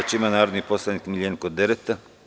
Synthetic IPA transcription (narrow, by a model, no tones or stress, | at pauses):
at͡ʃimanaːɾod̪niposlˠanikmilʎʲeːnkod̪eɾet̪a